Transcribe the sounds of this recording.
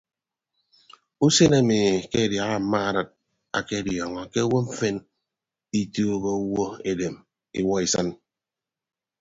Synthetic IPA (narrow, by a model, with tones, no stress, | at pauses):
u˦se˦na˦˨mi˨ke˦˨dja˨ɣa˦m̩˨˦ma˦a˨ɾɨ˦t̚ | a̰˨ke˦djɔ˨ŋɔ˨ke˦wo˦m̩˦fe˦n | i˦to˦ɣo˦u˦wo˦e˨de˨m | ḭ˦wɔ˦i˨sa˦n